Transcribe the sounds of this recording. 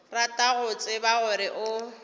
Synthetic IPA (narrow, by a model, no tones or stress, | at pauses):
ratʼaɣʊt͡sʼɪbaɣʊɾɪʔʊ